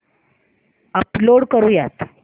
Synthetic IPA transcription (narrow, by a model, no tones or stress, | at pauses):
əploɽkəɾũːjat̪